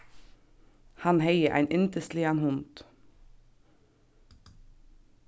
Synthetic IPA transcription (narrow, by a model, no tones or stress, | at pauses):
hɑnheɪəʔæ̰ɪnʔɪnt̪əst̪lɪɑnhʊnd̪̥